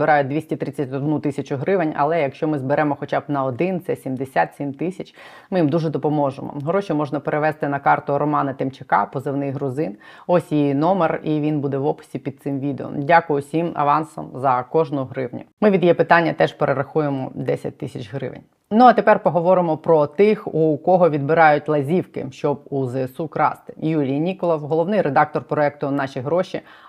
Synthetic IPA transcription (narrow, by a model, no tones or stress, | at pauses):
bɪɾɑjʊt̚ʲd̪ʋʲisʲtʲit̪ɾɪt͡sʲɐtʲɔd̪nut̪ɪsʲɐt͡ʃʊɦɾɪʋenʲɐ̰lˠɛjɐkʃt͡ʃɔmɪzbeɾɛmɔxɔt͡ʃabnɐɔd̪ɪnt̪sɛsʲimd̪esʲat̪sʲimt̪ɪsʲɐt͡ʃ | mɪjimd̪uʒɛd̪ɔpɔmɔʒemɔ̰ɦɾɔʃimɔʒnɐpeɾeʋɛst̪ɪnɐkɑrt̪ʊɾɔmɑnɐt̪ɪmt͡ʃekɑ̰pɔzɪwnɪjɦɾʊzɪnɔsʲjijnɔmeriʋʲinbud̪ɛʋɔpʊ̥sʲipʲid̪̚sɪmʋʲid̪eɔ̰mdʲakʊjʊsʲimɐ̰ʋɑnsɔ̰mzɐkɔʒnʊɦɾɪwnʲʊ̰mɪʋʲid̪jɛpɪt̪ɑnʲːɐt̪ɛʒpeɾʔeɾɐxujemɔd̪ɛsʲɐ̰t̚ʲt̪ɪsʲɐt͡ʃɦɾɪ̰ʋḛnʲ | nuɐt̪epɛrpɔɦɔʋɔɾɪmɔpɾɔt̪ɪxukɔɦɔʋʲid̪̚bɪɾɑjʊtʲlˠɐzʲiwkɪ̰ʃt͡ʃɔb̚uzɛsukɾɑ̰st̪ɪ̥julʲijnʲikɔlˠɔwɦɔlˠɔʋnɪjɾed̪ɑk̚t̪ɔrpɾɔɛk̚t̪ʊnɑʃʲiɦɾɔʃi